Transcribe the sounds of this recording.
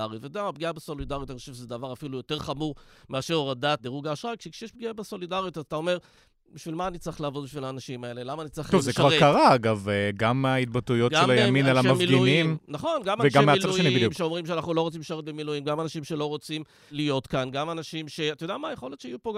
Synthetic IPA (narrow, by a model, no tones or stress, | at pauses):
aʁjitvetodeamab̚ɡiabeso̞lidaʁjot̪aniχoʃevʃezedavaʁafilujo̞te̞ʁχamuʁmeaʃeʁoʁadat̪̚deʁuɡaːʃʁakʃekʃejeʃbɡiabeso̞lidaʁjut̪azat̪ao̞me̞ʁ | biʃvilmaːnitt͡sʁiχlaːvo̞d̪biʃvilaːnaʃimae̞lelamaːnit͡sʁiχovzekvaʁkaʁaaɡaveɡamait̪̚batujo̞tɡʃaelajaminalamavmilɡiunimnaχo̞nɡamaveɡammealaueniidjumʃeo̞mʁimʃeanaχnulo̞ʁot͡simʃaʁet̪̚bemilujimɡamanaʃimʃe̞lo̞ʁo̞t͡sim | lijo̞t̪kanɡamanaʃimʃe̞at̪ajodɛamaːjeχo̞le̞t̪ʃeajupo